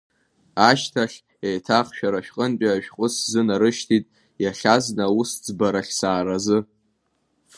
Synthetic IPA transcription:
aʃtʰaχʲ | ejtʰaχʃᶣaɾaʃᶣqʼənpʼaʒᶣqʼʊszɨnaɾɨʃtʰitʼ | jaχʲaznausd͡zbaɾaχʲsaːɾazɨ

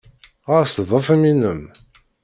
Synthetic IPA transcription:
ast̪ðˤəfæminəm

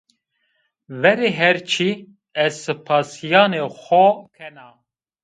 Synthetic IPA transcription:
vɛɾeːɦɛɾt͡ʃʰi | ɛzsɨpʰaːsijaːnexʷɔkʰɛnaː

